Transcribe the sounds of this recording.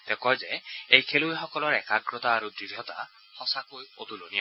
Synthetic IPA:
t̪ekɔjzeejkʰelueɦɔkɔlɔɾɛkaɡɾɔt̪aːɾud̪ɾiɾʱjɔt̪a̰ | hɔsakojot̪ulonia

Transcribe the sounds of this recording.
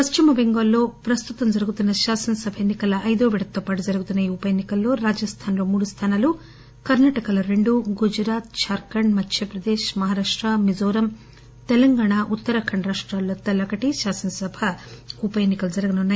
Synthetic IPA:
pɐʃt͡ʃimɐbeŋɡɐlːo̞ːpɾɐst̪ut̪ɐmd͡ʒɐɾuɡut̪unːɐʃaːsɐnɐsɐbʱɐenːikɐlɐʔɐjd̪oːʋiɽɐt̪ːoːpaːʈ̬ud͡ʒɐɾuɡut̪unːɐjiupɐjenːikɐlːo̞ːɾaːd͡ʒɐst̪ʰaːnloːmuːɽust̪ʰaːnaːlu | kɐɾnaːʈɐkɐlɐɾe̞ɳɖuɡud͡ʒɾaːt̪̚t͡ʃaːɾkɐɳmɐt̪ʰːjɐpɾɐd̪eːʃmɐɦaːɾaːʂʈɾamid͡ʒoːɾɐm | t̪elɐŋɡaːɳaːʔut̪ːɐɾɐkʰɐɳɾaːʂʈɾaːlːoːt̪ːɐlɐkɐʈiʃaːsɐnɐsɐbʱɐupɐjeːnːikɐlud͡ʒɐɾɐɡɐnunːaːji

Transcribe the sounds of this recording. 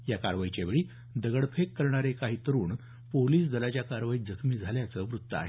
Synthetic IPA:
jakaɾʋajt͡ɕaʋeɭiː | d̪əɡəɽpʰekːəɾɳaɾekaɦiːt̪əɾuːɳ | poliːsd̪əlat͡ɕjakaɾʋaiːd͡zəkʰmiːd͡zʱaljat͡səʋɾut̪ːəa̰ɦe

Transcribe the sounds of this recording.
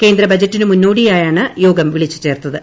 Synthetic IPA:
ke̞ːnd̪ɾɐbɐd͡ʑɐtːinɨmunːoːɽijaːjaːɳɨjo̞ːɡɐmʋiɭit͡ɕːɨ̥t͡ɕe̞ːrt̪ːɐðɨ

